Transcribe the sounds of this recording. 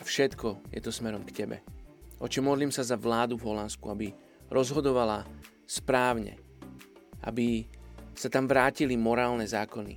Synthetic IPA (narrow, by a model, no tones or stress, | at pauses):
fʃɛt̪kɔjɛ̰t̪ɔsmɛɾɔmkcɛbɛ̰ɔt͡ʃɛmːɔd̪liːmsazaʋlaːd̪uvɦɔlanskṵabi | ɾɔzɦɔd̪ɔʋala | spɾaːʊɲɛ̰ | ʔa̰bisat̪amʋɾaːcilimɔɾaːlnɛzaːkɔnḭ